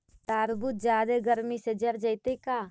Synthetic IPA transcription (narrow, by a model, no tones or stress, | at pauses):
t̪aːɾbut̪̚d͡ʒjaːd̪eɡəɾmised͡ʒəɾd͡ʒəɪt̪ekaː